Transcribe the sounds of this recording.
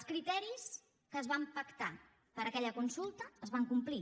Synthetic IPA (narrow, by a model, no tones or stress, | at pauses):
skɾit̪ɛɾis | kəːzβampəkt̪a | pəɾəkɛʎəkunsulˠt̪əːzβaŋkumpli